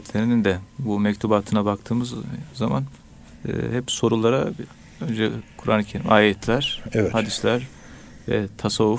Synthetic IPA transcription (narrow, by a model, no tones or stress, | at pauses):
t̪ʰlʲe̞ɾinind̪ɛbumɛct̪ʰubaːt̪ʰɯnabakt̪ʰɯːmɯzzama̰n̰ː | hɛpso̞ɾulˠaɾa | ønd͡ʒɛkʰuɾa̰ːnˠɯcʰelʲḭmʔaːjɛt̪ʰlʲæɾ̥ɛhad̪islʲæɾ | vɛ̰t̪ʰasavːuf